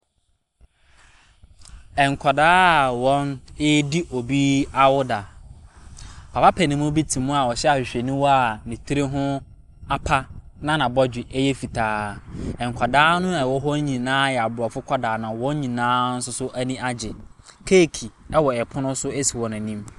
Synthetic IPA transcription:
ɛ˨ŋ̩˨kʷʰa˨daː˦˨wɔ̃˦nɪ˦di˦ʔo˨bi˦a˦wʊ˦da˨ | pʰa˨fa˦pʰæ˨nĩ˦mʊ̃˦bi˦tʰĩ˨mũ˦a˨wɔ˨ɕɛ˦a˨ɕᶣɪ˨ɕᶣe˨nʊ̃˦wɔ˦a˨nĩ˨tʰi˦ɾe˦ɦʊ̃˦ | a˦pʰa˦nã˦nã˨bɔ˦d͡ʑᶣɪ˨ʔɛ˦jɛ˦fi˨tʰaː˦ɛ˨ŋ˨kʷʰa˨daː˦nʊ̃˦a˨wɔ˦ɦɔ˦ɲĩ˨nãː˦jɛ˨a˨bɾɔ˨fʊ˦kʷʰɔ˦daː˨nã˨wɔ̃˦n˦ɲĩ˨nãː˦n̩˦sʊ˦sʊ˦ʔæ˦nĩ˦ʔa˦d͡ʑɪ˨kʰe˦˨kʰi˨ɛ˦wɔ˨ɛ˨pʰʊ̃˦nʊ̃˦sʊ˦ɛ˦si˨wɔ̃˨nã˨nĩ˦m

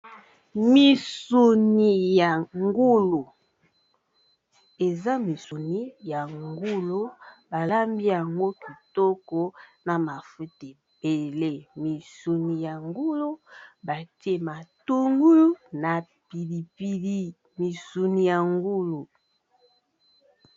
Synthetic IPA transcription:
mi˨su˨ni˨ja˨ŋɡu˦lo˨ | e˨za˦mi˨su˨ni˦ja˨ŋɡu˦lo˦ba˨la˦mbi˦ja˨ŋɡo˦ki˨tɔ˦kɔ˦na˨ma˨fu˦ti˨ | b̥e˨le˦mi˨su˨ni˨ja˨ŋɡu˦lo˦ba˨ti˦e˦ma˨tu˦ŋɡu˦na˨ | pi˨li˨pi˨li˦ | mi˨su˨ni˨ja˨ŋɡu˦lo˨

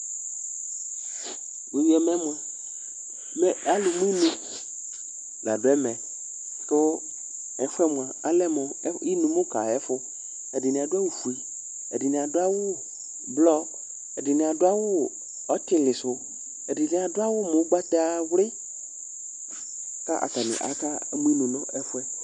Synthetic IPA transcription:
mu˨wi˦ɛ˨mɛ˦mo˨ | m˦a˦lʊ˨m˦nũ˦ | la̰˨dʊ˨˦ɛ˦mɛ̃˨ | tʊ˦ | ɛ˨fʊ˦ɛ˦mʊ̃˨a˨a˦lɛ˦mʊ˨˦i˦nũ˨mʊ˦ka˨ɛ˦fʊ˦ | ɛ˨dɪ˨ni˨a˨dʊ˦a˦wu˨fu˨i˨ | ɛ˨dɪ˨nɪ̃˨a˨dʊ˦a˦wʊ˦ | blɔ˦ | ɛ˨dɪ˨nɪ̃˨a˨dʊ˦a˦wʊ˦ | ɔ˦tɪ˦lɪ˨sʊ˨ | ɛ˨dɪ˨nɪ˨a˨dʊ˦a˦wʊ˦mʊ˨˦ɡ͡ba˦t̪ɛ˦a˨wlɪ˦ | ka̰˦ʔa̰˨ta˨nɪ̰˨ʔa̰˨˦ka˦˨mu˦i˦nũ˨nʊ˦ɛ˦fʊ˦ɛ˦

